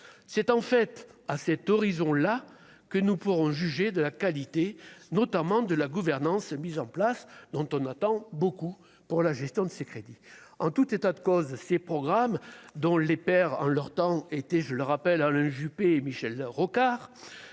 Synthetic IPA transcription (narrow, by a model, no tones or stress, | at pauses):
sɛt̪ɑ̃fɛt̪asɛt̪ɔʁizɔ̃la | kənupuʁɔ̃ʒyʒed̪əlakalit̪enɔt̪amɑ̃d̪əlaɡuvɛʁnɑ̃smizɑ̃plasd̪ɔ̃t̪ɔ̃nat̪ɑ̃boku | puʁlaʒɛst̪jɔ̃d̪əsekχed̪iɑ̃t̪ut̪et̪ad̪əkɔzsepχɔɡʁamd̪ɔ̃lepɛʁɑ̰̃lœʁt̪ɑ̃et̪ɛʒələʁapɛlalɛ̃ʒypeːmiʃɛlʁɔkaʁ